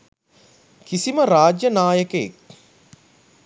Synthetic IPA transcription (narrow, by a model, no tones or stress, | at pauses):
kisiməɾaːd͡ʒjənaːjəkeḛk̚